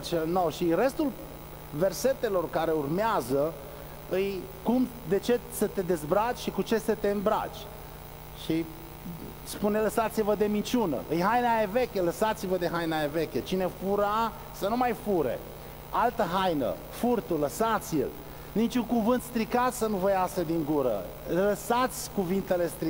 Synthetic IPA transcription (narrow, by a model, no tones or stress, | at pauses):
t͡ʃelnowʃire̞st̪ul | ve̞rse̞t̪e̞lo̞rkaɾe̞urmeazə | ɨjkumd̪e̞t͡ʃe̞sət̪e̞d̪e̞zbɾat͡ʃʲʃikut͡ʃe̞sət̪e̞ɨnbɾa̰t͡ʃʲ | ʃi | spuneləsat̪sivəd̪e̞mint͡ʃunə̰ʔɨjɦajnajeve̞kʲeləsat̪sivəd̪e̞ɦajnaeve̞kʲet͡ʃine̞fuɾa | sənumajfuɾḛ | alt̪əɦajnə̰ | furt̪uləsat̪sʲjḭl | nit͡ʃʲuŋkuvɨnt̪st̪ɾikat̪sənuvəjasəd̪iŋɡuɾə̰ | ləsat̪sʲkuvint̪e̞le̞st̪ɾi